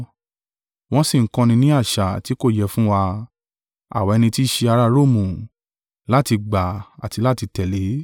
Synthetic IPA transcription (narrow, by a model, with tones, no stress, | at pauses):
w̃ɔ̃˦si˦˨ŋ̩˦kɔ̃˧nĩ˧nĩ˦a˦˨ʃa˨ti˨˦ko˦˨jɛ˦˨fũ˦wa˧ | a̰˨wa˨ɛ˧nĩ˧ti˦ʃe˧a˧ɾa˧ɾo˦˨mũ˨ | la˦ti˧ɡ͡ba˨a̰˨ti˧la˦ti˧tɛ˨le˨˦